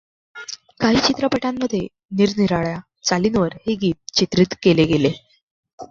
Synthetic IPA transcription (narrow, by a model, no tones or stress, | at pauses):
kaɦiːt͡ɕit̪ɾəpəʈamːəd̪ʱːje | niɾniɾaɭja | t͡saliːnʋəɾheɡiːt̪̚t͡ɕit̪ɾit̪keleɡele